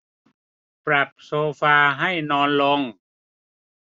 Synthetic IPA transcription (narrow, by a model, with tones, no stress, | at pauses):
pɾa˨˩p̚soː˧faː˧ɦa˥˩jnɔː˧nlo˧ŋ